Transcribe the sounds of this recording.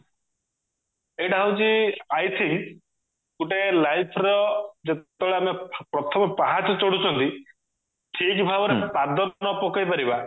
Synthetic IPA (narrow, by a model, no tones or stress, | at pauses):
ejʈaɦawt͡ʃiajt̪ʰiŋ | k̪uʈelajpʰɾɔd͡ʒet̪ɔɭeamepɾɔt̪ʰɔmɔpaɦat͡ʃɔt͡ʃɔɽut͡ʃʰɔnt̪i | ʈʰikbʱabɔɾepad̪ʱɔnɔpɔkajpaɾiba